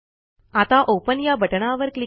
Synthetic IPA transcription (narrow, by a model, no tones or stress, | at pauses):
at̪aʔopənjabʱəʈɳaʋəɾkli